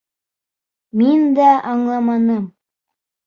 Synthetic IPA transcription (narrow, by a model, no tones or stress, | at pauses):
mind̪æʔɑɴlˠɑmɑnɤm